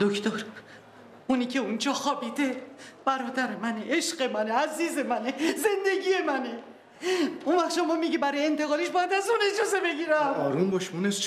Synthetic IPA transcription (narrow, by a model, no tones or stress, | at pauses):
d̪̥okʰt̪ʰoɾ | uniːcʰe̞und͡ʒɒːxɒːbiːd̪e̞b̥æɾɒːd̪æɾemæneʔeʃɢe̞mæne̞æziːze̞mæne̞ze̞nd̪e̞ɟʲije̞mæne | unvæχʃomɒmiɡibæɾɒjeent̪ʰeɣɒːliʃbɒjæd̪æzune̞d͡ʒɒze̞be̞ɡiːɾæmɒɾumbɒʃmuneʃ